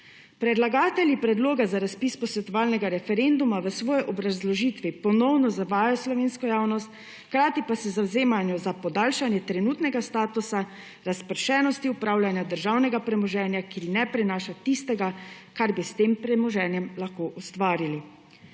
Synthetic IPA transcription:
pɾɛd̪laɡaːt̪ɛljipɾɛd̪loːɡazaɾaspiːspɔsʋɛt̪ɔʋaːlnɛɡaɾɛfɛɾend̪umaʋəsʋɔːjɛʔɔbɾazlɔʒiːt̪ʋipɔnɔwnɔzaʋaːjjɔslɔʋeːnskɔjaːwnɔst̪ | xkɾaːt̪ipasɛzawzeːmanjɔzapɔd̪aːlʃanjɛt̪ɾɛnuːt̪nɛɡast̪aːt̪usa | ɾaspəɾʃɛːnɔst̪iupɾaːwlʲjanjad̪əɾʒaːwnɛɡapɾɛmɔʒɛːnjakinɛpɾɛnaːʃat̪ist̪ɛɡakaɾbist̪eːmpɾɛmɔʒɛːnjɛmlaxkoːʔust̪ʋaːɾili

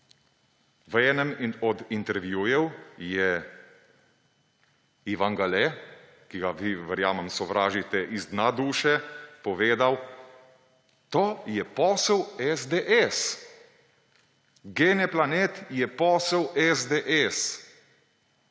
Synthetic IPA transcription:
ʋɛːnɛmɔd̪int̪ɛɾʋjujɛwjɛ | iʋaŋɡalɛ | kiɡaʋiʋəɾjaːmɛmsɔʋɾaːʒit̪ɛʔizd̪nad̪uːʃɛpɔʋeːd̪aw | t̪oːjɛpɔːsɛwɛzd̪eʔɛs | ɡeːnɛplaneːt̪jɛpɔːsɛwɛzd̪eʔɛs

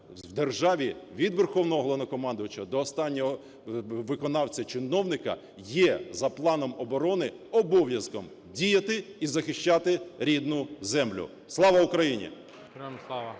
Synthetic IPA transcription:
wd̪erʒɑʋʲiʋʲid̪ʋerxɔwnɔɦɔɦlˠɔnɔkɔmɑnd̪ʊjʊt͡ʃɐd̪ɔːst̪ɑnʲːɔɦɔ | ʋɪkɔnɑwt͡sʲɐt͡ʃɪnɔwnɪkɐ̰ | jɛzɐplˠɑnɔmɔbɔɾɔnɪ | ɔbɔʋjɐskɔm | dʲijɐt̪ɪizɐxɪʃt͡ʃɑt̪ɪɾʲid̪nʊzɛmlʲʊ̰ | slˠɑʋɐʊkɾɐjinʲḭ

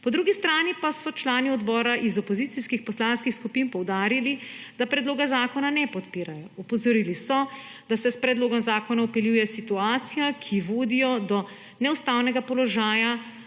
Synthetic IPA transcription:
pɔd̪ɾuɡist̪ɾaːnipasɔt͡ʃlaːniɔd̪bɔːɾaʔizɔpɔzit̪siskixpɔslanskixskupinpɔwd̪aːɾilid̪apɾɛd̪loːɡazaːkɔnanɛpɔt̪piːɾajɔɔpɔzɔɾilisɔ | d̪̥asɛspɾɛd̪loːɡɔmzaːkɔnaɔpɛljujɛsit̪uaːt̪sijakʰiʋoːd̪ijɔd̪ɔ | nɛust̪awnɛɡapɔlɔʒaːja

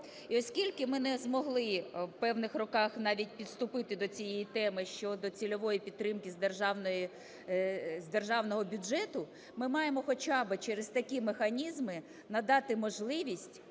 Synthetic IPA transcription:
iɔsʲkʲilʲkɪmɪnɛzmɔɦlˠɪpɛwnɪxrɔkɑxnɑʋʲit̚ʲpʲid̪st̪ʊpɪt̪ɪd̪ɔt͡sʲijɛjit̪ɛmɪʃt͡ʃɔd̪ɔt͡sʲilʲɔʋɔjipʲid̪t̪ːɾɪmkɪzd̪rʒɑnj | zd̪erʒɑwnɔɦɔbʲʊʒɛt̪ʊ | mɪmɑjemɔxɔt͡ʃɑbɪt͡ʃɛɾest̪ɐkʲimexɐnʲizmɪ | nɐd̪ɑt̪ɪmɔʒlˠɪʋʲisʲtʲ

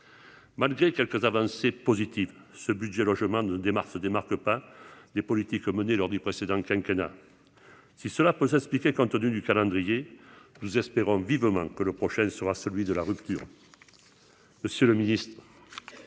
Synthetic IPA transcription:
malɡʁekɛlkəzavɑ̃sepozit̪iv | səbyd̪ʒelɔʒəmɑ̃nəd̪emaʁsəd̪emaʁkəpad̪epɔlit̪ikmənelɔʁd̪ypχesed̪ɑ̃kɛ̃kena̰ | sisəlapøsɛsplikʲekɔ̃nt̪ənyd̪ykalɑ̃d̪ʁijenuzɛspeʁɔ̃vivəmɑ̃kələpχɔʃɛ̃səʁasəlɥid̪əlaʁypt̪yʁ | məsjøləminist̪χə

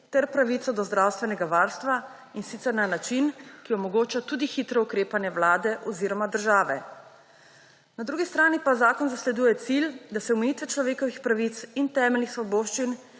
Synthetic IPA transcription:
t̪ɛɾpɾaʋit̪sɔd̪ɔzd̪ɾawst̪ʋɛnɛɡaʋaːɾst̪ʋa | insit̪sɛɾnanat͡ʃinkiɔmɔɡoːt͡ʃat̪ud̪ixit̪ɾɔukɾeːpanjɛwlaːd̪ɛʔɔziɾɔmad̪əɾʒaːʋɛ | nad̪ɾuːɡist̪ɾaːnipazaːkɔnzaslɛd̪uːjɛt̪sild̪asɛɔmɛjit̪ʋɛt͡ʃlɔʋeːkɔʋixpɾaʋit̪sint̪ɛːmɛlnixsʋɔboːʃt͡ʃin

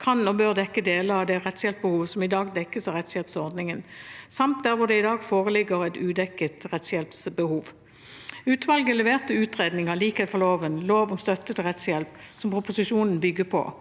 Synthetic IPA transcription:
kʰɑnɔbøːʁd̪ɛkːəd̪eːləʁɑʋd̪ɛʁɛt̪sjɛlpəbəhuːʋəsɔmɪd̪ɑːɡd̪ɛkːəsɑʁɛt̪sjɛlpsɔʁd̪nɪŋənsɑmt̪̚d̪æʁʋʊʁd̪ɛɪd̪ɑːɡfoːʁəlɪɡəʁɛt̪ʉːd̪ɛkːət̪ʁɛt̪sjɛlpsbəhuːʋ | ʉːt̪ʋɑlɡəlɛʋeːʁt̪əʉːt̪ʁeːd̪nɪŋəliːkɛd̪ɛfɔʁloːʋənloːʋɔmst̪œt̪ːət̪ʁɛt̪sjɛlp | sɔmpʁʊpʊsɪʃuːnn̩bʏɡəpʰɔ̰

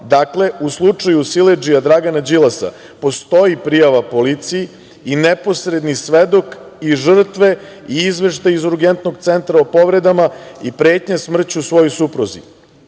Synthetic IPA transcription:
d̪akle̞uslˠut͡ʂajusiled͡ʒiad̪ɾaɡanad͡ʑilˠasa̰ | po̞st̪o̞jipɾijaʋapo̞lit̪sijiː | nepo̞sɾe̞d̪nisʋed̪o̞k | iʒr̩t̪ʋe̞ | iizʋe̞ʃt̪ajizuɾɡent̪no̞ɡt̪sent̪ɾaopo̞ʋɾe̞d̪amaipɾe̞ːt̪ɲasmr̩t͡ɕuusʋo̞jojsupɾozi

